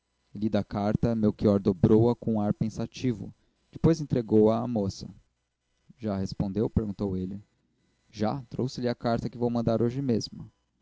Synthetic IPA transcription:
lid̪ɐkaɾt̪ɐmewkiɔɾd̪obɾowɐkõaɾpẽsat͡ʃivʊ̰ | d͡ʒɪpojzẽt̪ɾeɡowɐːmosɐ | ʒahespõnd̪ewpeɾɡũnt̪owelɪ | ʒat̪ɾowsɪlɪɐkaɾt̪ɐkɪvowmɐ̃nd̪aɾoʒɪmezmʊ

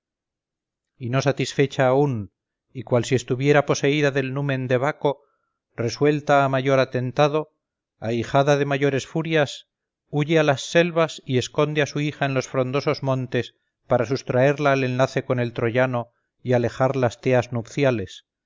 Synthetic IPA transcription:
ino̞sat̪isfe̞t͡ʃaːun | ikwalsiest̪uβje̞ɾapo̞se̞iðaðe̞lnumẽ̞nd̪e̞βako̞ | re̞swe̞lt̪aːmaʝo̞ɾat̪e̞nt̪að̞o̞ | ajxaðaðe̞maʝo̞ɾe̞sfuɾjas | uʝealasːe̞lβasie̞sko̞nd̪easuixaenlo̞sfɾond̪o̞so̞zmõ̞nt̪e̞s | paɾasust̪ɾae̞ɾlaːle̞nlaθe̞ko̞ne̞lt̪ɾo̞ʝano̞ | iale̞xaɾlast̪eaznupθjale̞s

